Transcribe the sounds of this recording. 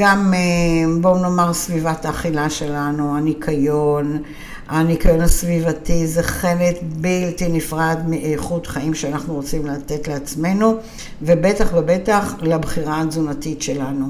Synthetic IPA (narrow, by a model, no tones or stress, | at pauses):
ɡamebo̞no̞maʁsvivat̪aːχilaʃe̞lanuanikʰajo̞n | anikajo̞nhasvivat̪izeχenet̪biltinifʁad̪miʔejχutχaimʃeanaχnuʁo̞t͡simlate̞tleat͡sme̞nu | vebe̞taχvebe̞taχlabχiʁaːzunatitʃe̞lanu